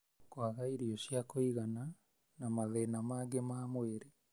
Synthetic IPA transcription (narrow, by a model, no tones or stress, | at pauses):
kwaɣaiɾioɕjakoiɣana | namaðenamaːɡemaːmweɾe